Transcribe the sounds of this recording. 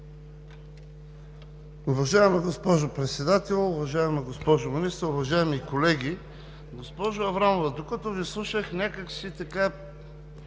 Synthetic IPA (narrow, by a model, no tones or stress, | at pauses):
ʊvɐʒaɛmɐɡospɔʒopɾɛt̪sɛd̪at̪ɛlˠʊvɐʒaɛmɐɡospɔʒʊminist̪əʊvɐʒaɛmikolɛɡʲi | ɡospɔʒʊɐvɾamovɐd̪okɐt̪ɔvislˠuʃəxnʲakəksit̪ɐka